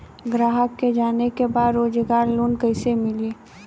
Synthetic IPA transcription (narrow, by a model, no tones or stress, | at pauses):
ɡɾaːɦəkːed͡ʒaːnekebaːd̪ɾoːd͡ʒəɡaːɾloːnkəɪsemɪlieː